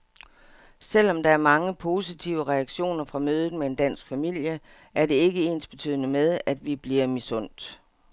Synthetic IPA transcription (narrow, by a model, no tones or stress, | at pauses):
sel̰ɒ̽md̥ɑ̈æɐmɑ̈ŋəpʰo̝sit͡sʰiʊəʁɛæɡ̥ɕo̝̰ːnɐfʁɑ̈møːð̞̩ˠmeend̥æn̰sɡ̥fæmil̰jə | ʔæɐde̝e̝ɡ̥əe̝̰nsb̥e̝t͡sʰy̰ð̰ˠnəmeð̞ˠæd̥ʋib̥liɐmisɔ̽n̰d̥